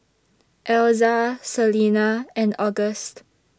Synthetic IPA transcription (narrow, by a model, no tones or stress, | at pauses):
ʔɛlzasəlinaɛ̃nɔɡəst